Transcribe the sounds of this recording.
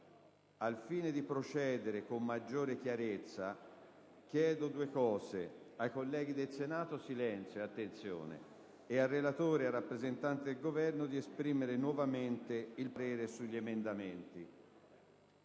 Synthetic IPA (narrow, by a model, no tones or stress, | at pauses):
alfiːned̪ipɾot͡ʃɛːd̪eɾekomːad͡ʒːoːɾek̟jaɾet̪sːa | k̟jɛːd̪od̪uːekɔːze | ajkolːɛːɡid̪elsenaːt̪osilɛnt̪sjoat̪ːent̪sjo̰ːnḛː | arːelat̪oːɾearːapːɾezent̪ant̪ed̪elɡovɛrnod̪iespɾiːmeɾenwɔvament̪eilpaɾɛːɾesuʎːiemend̪ament̪i